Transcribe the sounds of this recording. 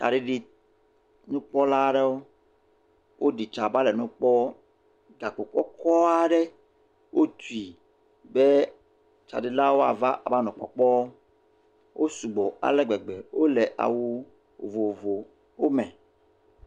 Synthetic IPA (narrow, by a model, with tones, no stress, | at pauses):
ta̰˨ɖi˦ɖi˨ | nũ˦k͡pɔ˦la˦ɖe˦wo˦ | wʔo˦ɖi˨t͡ʃa˨ba˦lɛ˨nũ˦k͡pɔ˦ | ɡa˨k͡po˨k͡pɔ˦kʰɔ˦a˨ɖe˦ | wʔo˦t̪u˨i˨ | be˦ | t͡ʃa̰˨ɖi˨la˦wo˦a̰˨va˦ʔa˨ba˦nɔ̃˨k͡pɔ̰˨k͡pɔ˦ | wʔo˦su˨ɡ͡bɔ˨a̰˨lɛ˦ɡ͡be˨ɡ͡be˨wo˦le˨ʔa̰˨wu˨ | vo˨vo˨ | wo˦mẽ˨